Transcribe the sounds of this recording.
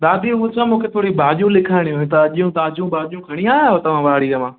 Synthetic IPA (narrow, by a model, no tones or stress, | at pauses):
ɗ̪aːd̪iʊɦʊ̃t͡ɕʰãmũːkʰet̪ʰoːɽibʱaːʄjũlɪkʰaːɪɽ̃iɦuĩt̪ɐɐʄijũt̪aːd͡ʑũbaːd͡ʒijũkʰɐɽ̃iaːot̪ɐʋ̤ãʋɐaɽiːɾɐmãː